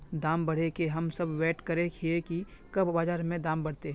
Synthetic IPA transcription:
d̪aːmbɐɽ̤ekeɦɐmsɐbʋeːʈkəɾekʰiekikɐbbaːd͡ʒaːɾmẽd̪ãːmbɐɽ̤t̪e

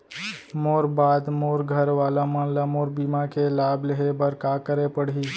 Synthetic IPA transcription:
moːɾbaːd̪moːɾɡʱəɾʋaːlamənlamoːɾbimakelaːbləɦebəɾkakəɾepəɽ̤i

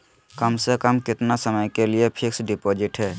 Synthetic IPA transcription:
kəmsekəmkɪt̪nasəməjkelijepʰiksɖipod͡ʒɪʈɦɛː

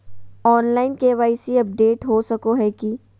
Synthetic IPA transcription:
ɔːnlaːɪnkeʋaːɪsiɐp̚ɖeːʈɦosɐkoɦɛki

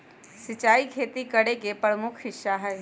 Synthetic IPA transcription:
sɪt͡ʃaːikʰeːt̪ikɐɽekepɾəmʊkʰɦɪʃːaɦɛː

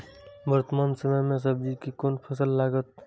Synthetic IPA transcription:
bəɾt̪əmaːnsəməmes̬əb̚d͡ʒikekonpʰəsəlːaɡət̪̚

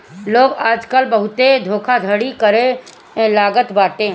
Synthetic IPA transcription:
loːɡaːd͡ʒkəlbəɦʊt̪ed̪ʱoːkʰad̪ʱəɽikəɾẽ | laːɡət̪baːʈẽː

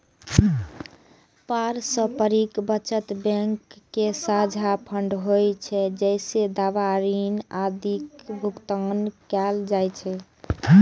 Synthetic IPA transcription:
paɾsə̃pəɾikbət͡ʃət̪bɛ̃ŋkːesad͡ʒʱapʰəɳɖɦojt͡ʃʰɛd͡ʒəɪsed̪aʋaɾinad̪ikbʱukt̪ənkɛld͡ʒajt͡ʃʰɛ

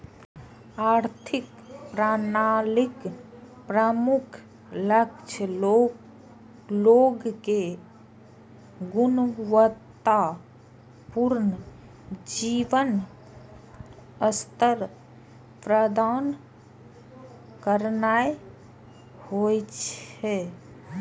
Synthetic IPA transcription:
aːɾt̪ʰɪk | pɾanalik | pɾəmʊkʰ | ləkt͡ʃʰəlo | loːɡke | ɡunʋət̪ːa | puɾnə | d͡ʒiːʋən | əst̪əɾ | pɾəd̪aːn | kəɾnae | hojt͡ʃɛ

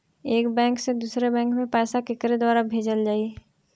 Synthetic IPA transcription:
eːkbɛ̃ːŋksed̪uːsɾebɛ̃ːŋkmẽpɛːsakɪkɾed̪waːɾabʱeːd͡ʒəld͡ʒaːie

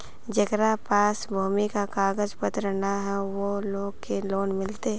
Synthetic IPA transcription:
d͡ʒɐɡɾapaːsbʱuːmikakaːɡəd͡ʒpət̪ɾənaɦɛʋoloːɡkeloːnmɪlt̪eɦɛ

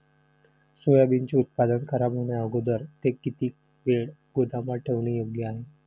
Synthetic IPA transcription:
sojabint͡ɕiut̪̚pad̪ənkʰəɾabɦoɳeaɡod̪əɾt̪ekit̪iː | ʋeɭɡ̥od̪ʱamaʈʰeʋɳ̃ijoɡjəaɦe

